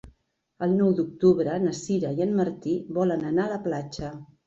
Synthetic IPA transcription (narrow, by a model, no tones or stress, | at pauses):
əlˠnɔwd̪uk̚t̪uβɾəːnəsiɾəiənməɾt̪iβɔlənənaələplat͡ʃə